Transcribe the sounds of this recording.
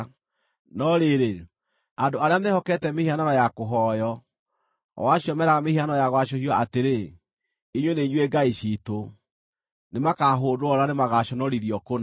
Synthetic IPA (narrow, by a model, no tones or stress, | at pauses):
nɔɾeɾe | andoaɾeamehɔkɛtɛmehiananɔjakoɦɔjɔ̰ | waɕiɔmɛɾaɣameianaɔjaɣwaʃohiɔateɾe | iɲweneiɲweɡaiʃito | nemakaɦoːdoɔɾanemaɣaɕɔnɔɾiɾiɔkon